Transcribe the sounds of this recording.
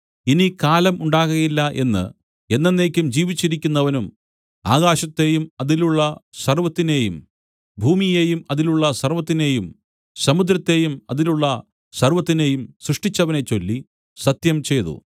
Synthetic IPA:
inikaːlɐmuɳɖaːɣuɣilːɐʔe̞nːɨ̰ | e̞nːenːe̞ːkʲːumd͡ʑiːʋit͡ɕːiɾikʲːunːɐʋɐnum | a̰ːɣaːɕɐt̪ːe̞ːjumɐðiluɭːɐsɐrʋɐt̪ːine̞ːjum | bʱuːmijeːjumɐðiluɭːɐsɐrʋɐt̪ːine̞ːjum | sɐmud̪ɾɐt̪ːe̞ːjumɐ̰ðiluɭːɐ | sɐrʋɐt̪ːine̞ːjumsɾrɨʂʈit͡ɕːɐʋɐne̞t͡ɕːo̞lːi | sɐt̪jɐmt͡ɕe̞jðṵ

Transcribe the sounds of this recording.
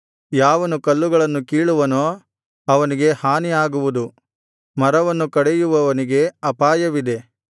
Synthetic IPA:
jaːʋɐnukɐlːuɡɐɭɐnːukiːɭuʋɐnoː | ɐʋɐniɡe̞haːnijaːɡuʋud̪u | mɐɾɐʋɐnːukɐɽejuʋɐʋɐniɡe̞ɐpaːjɐʋid̪e̞

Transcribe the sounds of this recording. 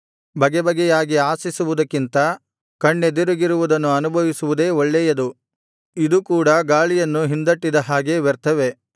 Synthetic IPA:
bɐɡɛbɐɡɛjaːɡiaːsisuʋud̪ɐkːint̪ɐ | kɐɳːed̪iɾuɡiɾuʋud̪ɐnːuɐnubʱɐʋisuʋud̪e̞ːɔɭːɛjɐd̪u | id̪ukuːɽɐɡaːɭijɐnːuɦind̪ɐʈːid̪ɐɦaːɡe̞ʋɛɾt̪ɐʋe̞

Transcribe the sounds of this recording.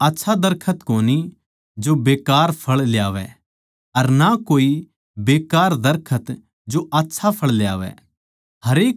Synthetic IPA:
aːtːʃʰad̪ɐɾkʰət̪koːni | d͡ʒobeːkaːɾpʰɐɭlɪjaːʋɛ̰ | ɐɾnakoːi | beːkaːɾd̪ɐɾkʰət̪ | d͡ʒoʔaːtːʃʰapʰɐɭlja̰ːʋɛ̰ | ɦɐɾeːk̚

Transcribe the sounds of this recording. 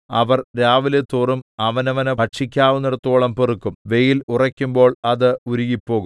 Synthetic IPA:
ɐʋɐrɾaːʋilet̪ːuːrumɐʋɐnɐʋɐnɐpɐʈʂikʲːaːʋunːiɽɐt̪ːuoɭɐmperukːumʋe̞jilurɐkʲːumbo̞ːɭɐðɨuɾuɣipːo̞ːɣu

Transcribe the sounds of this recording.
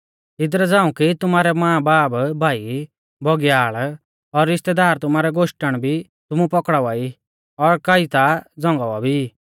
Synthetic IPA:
ɪd̪ɾɛd͡zãːũkit̪ʊmaːɾɛmãːbaːbbʱaːi | bʱɔɡjaːɭ | ɔɾɪst̪ɛd̪aːɾt̪ʊmaːɾɛɡoʃʈəɽ̃bʱi | t̪ʊmũpɔkɽaʋai | ɔɾkait̪ad͡zɔ̃ŋɡaʋabʱi

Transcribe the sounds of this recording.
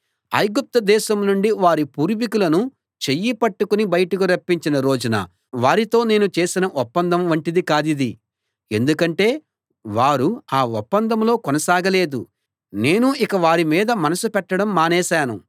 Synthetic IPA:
ɐ̰jɡup̚t̪ɐd̪ɛːʃɐmnuɳɖiʋaːɾipuːɾʋikulɐnu | t͡ʃe̞jːipɐʈːukunibɐjɐʈukuɾɐpːiɲt͡ʃinɐɾo̞ːd͡ʒunɐ̰ | ʋaːɾit̪o̞ːne̞ːnut͡ʃe̞ːsinɐʔɔpːɐnd̪ɐmʋɐɳʈid̪ikaːd̪id̪i | e̞nd̪ukɐɳʈe̞ː | ʋaːɾuaːɔpːɐnd̪ɐmlo̞ːkɔnɐsaːɡɐle̞ːd̪ṵ | ne̞ːnuʔikɐʋaːɾimiːd̪ɐmɐnɐsupɛʈːɐɽɐmːaːnɛːʃaːnṵ

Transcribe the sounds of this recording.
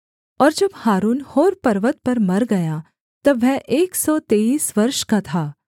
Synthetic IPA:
ɔːɾd͡ʒɐbhaːɾuːnhoːɾpɐɾʋət̪̚pɐɾmɐɾɡɐja | t̪ɐʋɛʔeːksɔːt̪eːiːsʋɐɾʃkat̪ʰaː

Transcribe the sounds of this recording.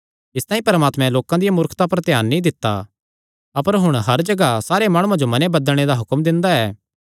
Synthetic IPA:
ɪst̪ãːĩpɐɾmaːt̪mɛ̃loːkãd̪ijamʊɾkʰt̪apɐɾt̪jaːnːĩd̪ɪt̪ːa̰ | ɐpəɾɦʊɽ̃ɦɐɾd͡ʒɐɡasaːɾemaːɽ̃ũãd͡ʒomɐnebɐd̪əlɽ̃ed̪aɦʊkəmd̪ɪ̃nd̪aɛː

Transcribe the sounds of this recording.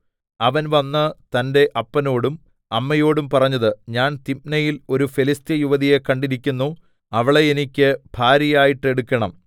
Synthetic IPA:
ɐʋɐnʋɐnːɨt̪ɐnde̞ʔɐpːɐno̞ːɽum | ɐmːɐjo̞ːɽumpɐrɐɲːɐðɨɲaːnt̪ip̚nɐjilo̞ɾufelist̪jɐjuʋɐðije̞kɐɳɖiɾikʲːunːu | ɐʋiɭe̞jenikʲːɨb̥ʱaːɾɐjaːjiʈːe̞ɽukʲːɐɳɐm

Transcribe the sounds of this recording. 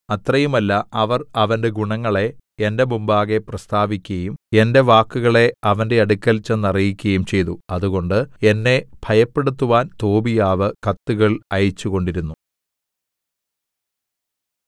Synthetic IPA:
ɐt̪rɐjumɐlːɐɐʋɐrɐʋɐnde̞ɡuɳɐŋːɐɭe̞ende̞mumbaːɣe̞prɐst̪aːbikʲːɐjume̞nde̞ʋaːkːuɣɐɭe̞ɐʋɐnde̞ɐɽukʲːɐlt͡ɕːenːɐrijikʲːɐjumt͡ɕe̞jt̪uɐðuɣo̞ɳɖɨe̞nːe̞b̥ʱɐjɐpːe̞ɽut̪ːuʋaːnt̪o̞ːbijaːʋɨkɐt̪ːuɣɐɭɐjit͡ɕːuɣo̞ɳɖiɾunːu

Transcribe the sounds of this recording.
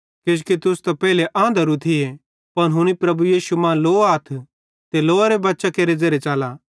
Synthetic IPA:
kɪd͡ʒkit̪ʊst̪ɐpɛːleʔãːnd̪ʱəɾut̪ʰɪe | pɐnɦʊɽ̃ipɾɐbujiːsumãːloːaːt̪ʰ | t̪eloːaɾebɐtːʃakeːɾed͡zɐɾet͡ʃaːla

